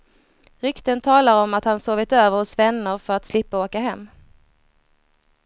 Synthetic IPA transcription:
ɾʏkt̪ənt̪ʰɑːlaɾɔmat̪hansoːvɪt̪øːvəɾhʊsvɛnːəɾfœɾat̪slɪpːaoːkaɦɛmː

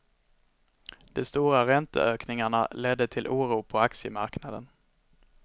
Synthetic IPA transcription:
d̪̥ɔst̪uːɾaɾɛnt̪ə̰øːknɪŋaɳa̰lɛd̪ːət̪ʰɪlʔuːɾuːpʰɔaksɪəmaɾknad̪ə̰n

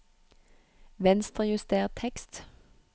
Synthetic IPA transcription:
ʋɛnst̪ʁəjʉst̪eːʁt̪ʰːɛkst̪

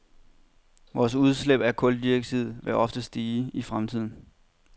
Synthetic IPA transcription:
ʋɒːsuð̞ˠsleb̥æɐkʰɔ̽ld̥ieɡ̥̚t͡sʰið̰ˠʋeʔɒ̽fd̥əsd̥iːifʁamt͡sʰið̞̰ˠn̩

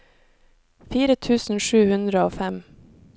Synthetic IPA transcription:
fiːɾət̪ʰʉːsn̩ʃʉːhʉnd̪ɾəoːfæm

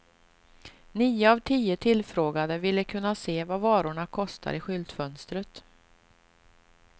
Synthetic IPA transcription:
niːəavt̪ʰiːət̪ʰɪlfɾoːɡad̪əvɪlːəkʰɵnːaseːvavɑːɾʊɳakʰɔst̪ʰa̰ɾɪɧʏlt̪fœnst̪ɾət̪

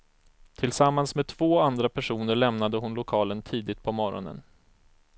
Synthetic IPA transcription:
t̪ʰɪlsamːansmeːd̪̚t̪ʰv̥oːand̪ɾapʰæʂuːnəɭɛmnad̪əɦʊnlʊkʰɑːlənt̪ʰiːd̪ɪt̪̚pʰɔmɔɾɔ̰nə̰n

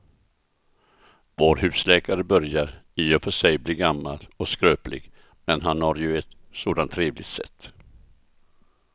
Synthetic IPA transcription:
voːɾhʉ̟ːslɛːkaɾəbœɾjaɾiːɔfœʂɛjbliːɾɡamːa̰lɔskɾøːplɪ̰ɡ | mɛnɦanhaɾjɵɛt̪ | soːd̪ant̪ʰːɾeːvlɪɡt̪sɛ̰t̪ː

